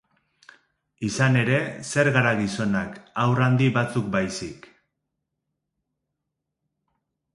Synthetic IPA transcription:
isane̞ɾe̞se̞ɾɣaɾaɣiso̞nakawrand̪iβat͡suk̚bajsik

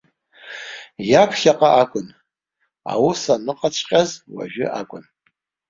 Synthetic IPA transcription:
japʰɬaqʼaʔakʷʼʊn | a̰wʊsanɨqʼat͡ɕʰʷʼqʲʼazwa̰ʒᶣɪ̰ʔa̰kʷʼʊn

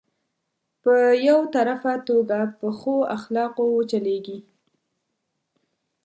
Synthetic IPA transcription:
pəjawt̪aɾafat̪oɡapəxoaxlɑqowt͡ʃaleɡi

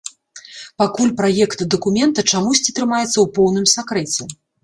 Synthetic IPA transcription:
pakulʲpɾajɛkt̪d̪ɐkumʲɛnt̪ɐt͡ʂamusʲt͡sʲit̪ɾɨmajɛt̪sːɐwpɔwnɨmsakɾɛt͡sʲɛ

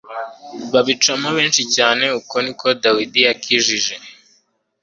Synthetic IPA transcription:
βaβit͡ʃamaβe̞ːnʃicaːne̞uko̞niko̞dawidijakʰiʒiʒe̞

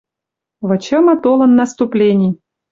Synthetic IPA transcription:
və̆t͡ɕəmɐt̪olˠə̆nːɐst̪ʊplʲenʲɪj

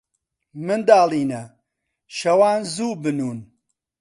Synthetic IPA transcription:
mɨnd̪aːlˠiːnɐ | ʃɐwaːnzuːbɨnuːn

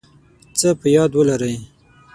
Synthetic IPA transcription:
t͡səpəjɑd̪wəlaɾəj

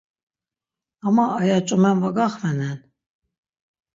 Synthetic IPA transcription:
amaːjat͡ʃʼumɛnvaɡaχmɛnɛn

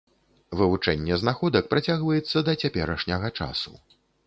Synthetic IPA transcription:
vɨvut͡ʂɛnʲːɛznaxɔd̪ɐk̚pɾat͡sʲaɣvɐjɛt̪sːɐd̪ɐt͡sʲapʲɛɾɐʂnʲɐɣɐt͡ʂa̰su

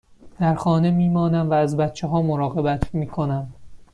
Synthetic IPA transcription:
d̪̥æɾxɒːnemiːmɒːnæmvæːzbæt̪t͡ʃʰeɦɒːmoɾɒːɣe̞bæt̪ʰmiːkʰo̞næm

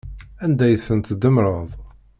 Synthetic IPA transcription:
ænd̪æjəθənt̪d̪əmɾˤɑðˤ

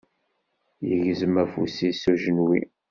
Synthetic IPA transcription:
jəʝzəmæfusisuʒənwḭ

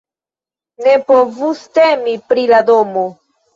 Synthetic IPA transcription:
nepovustemipɾiladomo

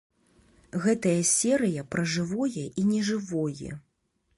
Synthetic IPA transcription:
ɣɛt̪ɐjɐsʲɛɾɨjɐpɾɐʐɨvɔjɛʔinʲɛʐɨvɔjɛ̰

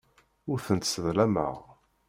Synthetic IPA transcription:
ʊɾθənt̪səðlæmə̰ʁ

